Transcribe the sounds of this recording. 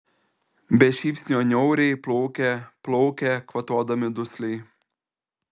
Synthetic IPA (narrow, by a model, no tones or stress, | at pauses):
bʲɛʃʲiːpʲsʲnʲoːnʲɔʊɾʲɛɪplˠɔʊkʲɛplˠɔʊkʲɛkʋɐt̪oːd̪ɐmʲɪd̪ʊsʲlʲɛɪ